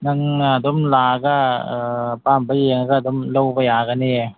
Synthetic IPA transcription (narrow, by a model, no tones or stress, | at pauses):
naŋad̪omlaːkaɤːpaːmpajeŋkaːd̪omlopajaːkani